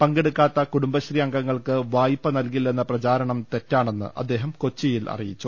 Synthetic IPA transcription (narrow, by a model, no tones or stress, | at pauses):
pɐŋɡe̞ɽukːaːt̪ːɐkuɽumbɐɕriɐŋɡɐŋːɐɭkɨʋaːjipːɐnɐlkilːe̞nːɐprɐt͡ɕaːɾɐɳɐmt̪e̞tːaːɳe̞nːɨ̰ʔɐ̰d̪ːe̞ːɦɐmko̞t͡ɕːijilɐ̰rijit͡ɕːu